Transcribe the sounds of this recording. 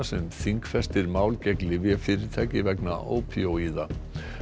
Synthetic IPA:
sɛmθiŋkfɛst̪ɪɾmaːwlcɛklɪvɪfɪːɾɪɾ̥t̪ʰɛcɪvɛkna̰ʔo̰wpʰiowiːða

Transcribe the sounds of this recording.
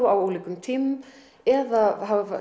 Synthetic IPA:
awoːliːkʏmt̪ʰiːmɪm | ɛðaɦav

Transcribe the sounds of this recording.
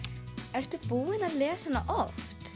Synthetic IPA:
ɛɾ̥t̪ʏpuːɪnaðlɛːsanaʔɔft̪

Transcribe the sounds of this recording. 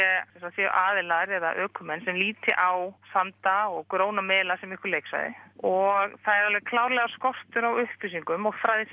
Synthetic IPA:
ɛɛsaθjœʔaːðɪlarejða̰ʔœːkʏmɛnsɛmliːt̪ɪʔawsant̪aɔɣkɾoːwnamɛːlasɛmihkʏɾleːjksa̰ðɪ̰ɔɣθaðɛɾalvɪkʰlawɾlɛɣaskɔst̪ʏɾawʏhpisiŋkʏmɔɣfɾajðɪs

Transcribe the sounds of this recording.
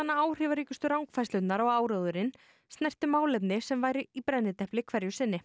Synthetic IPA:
anːaaːwr̥ɪvaɾiːcʏst̪ʏɾawŋkfajst̪ʏt̪naɾɔɣaːwɾɔðʏɾɪn | st̪nɛr̥t̪ʏmaːwlɛp̬nɪsɛmvaːjɾɪipɾɛnːɪt̪ɛhplɪkʰvɛɾjʏ̥sɪnːɪ

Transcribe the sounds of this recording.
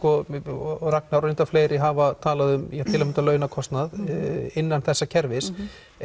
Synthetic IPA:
kɔ | ɾaknaɾɾent̪afleːjɾɪɦavat̪ʰaːlaðʏmjat̪ʰɪlamɪnt̪alœːɥnakʰɔst̪naðɪnːanθɛsːacʰɛɾvɪs

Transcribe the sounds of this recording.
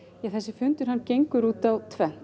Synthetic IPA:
aθɛsːɪfʏnt̪ʏɾ̥hanːcejŋkʏɾuːt̪awt̪ʰvɛ

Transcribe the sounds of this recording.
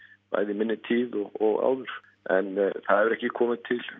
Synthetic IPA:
b̥a̰ːjðɪmɪnːɪt̪ʰiːðɔɣɔɣa̰ːwðʏɾ̥ | ɛ̰nθaðɛvɾɛhcɪkʰɔːmɪðt̪ʰːɪl̥

